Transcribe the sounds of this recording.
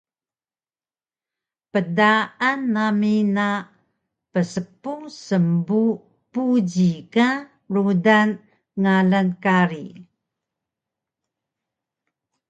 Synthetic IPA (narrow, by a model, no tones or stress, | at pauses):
pədaʔanːamina | pəsəpuŋsəmbu | pud͡ʑika | rudan | ŋalankaɾi